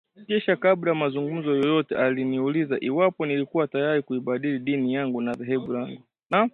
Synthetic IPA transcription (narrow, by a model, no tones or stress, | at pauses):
kɛʃakaɓlajamazuŋɡum̩zɔjɔjɔtɛʔaliniulizaʔiwapɔnilikuwatajaɾikuiɓaɗiliɗinijaŋɡunaðɛɦɛɓulaŋɡu | na